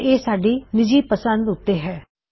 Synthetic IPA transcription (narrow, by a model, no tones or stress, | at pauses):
eːsaːɖiːnɪd͡ʒiːpəsə̃nd̪ʊt̪ːeːɦɛː